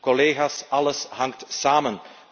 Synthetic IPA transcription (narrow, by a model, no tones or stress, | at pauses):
kɔleːɣaːsɑləsɦɑŋk̚tsaːmən